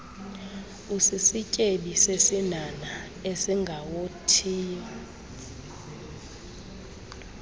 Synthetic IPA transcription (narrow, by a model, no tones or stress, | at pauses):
usisicʼeɓisesinana | esiŋɡʱawotʰiːa